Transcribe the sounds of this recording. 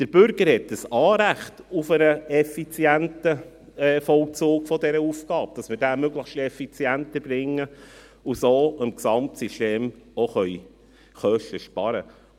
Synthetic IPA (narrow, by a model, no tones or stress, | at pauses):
d̥əɾb̥ʏɾɡ̥əɾhɛt̚d̥əsɑːɾæχtufənəɛfit͡sjæntə | ɛːfɔlt͡suːkfɔdɛɾəufɡ̥ɑːb̚d̥ɑsməɾdæmøɡləχʃtɛfit͡sjæntəb̥ɾɪŋːə | usoːəmksɑmtsiʃteːmoχœʏ | χœʃtəʃpɑɾə̰